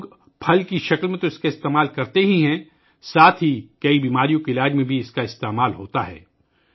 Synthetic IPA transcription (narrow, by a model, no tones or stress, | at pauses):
ɡ | pʰɐlkiʃɐklmẽt̪oɪskaɪst̪eːmaːlkɐɾt̪eɦiɦɛ̃ | saːt̪ʰɦikɐibiːmaːɾijõkeɪlaːd͡ʒmẽbʱiɪskaɪst̪eːmaːlɦoːt̪aɦɛ̰ː